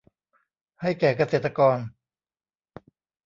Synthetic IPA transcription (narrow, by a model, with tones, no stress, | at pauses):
ha˥˩jkɛː˨˩ka˧seː˨˩t̪ːa˧kɔː˧n